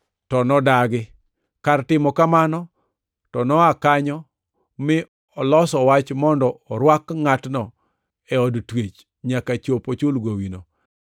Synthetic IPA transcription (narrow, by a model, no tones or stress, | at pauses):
tɔnɔdaɡɪ | kartɪmɔkamanɔ | tɔnɔakaɲɔ | mɪ | ɔlɔsɔwat͡ʃmɔndɔːɾwakŋatnɔ | ɛɔdtwet͡ʃ | ɲakat͡ʃopot͡ʃʊlɡowino